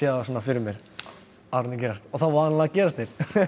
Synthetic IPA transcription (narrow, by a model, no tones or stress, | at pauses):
jɛðaasoːnːafɪɾʏmjɛɾ̥ | aɾnɪcɛːɾast̪ɔθawvaːanlaðcɛːɾast̪neɾ̥